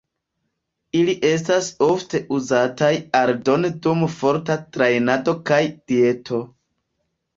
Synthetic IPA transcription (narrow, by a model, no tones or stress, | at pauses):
iliʔe̞s̬taso̞fte̞ʔuzatajaɾdo̞ndumfo̞ɾtatɾajnado̞kajd̥ie̞tʰo̞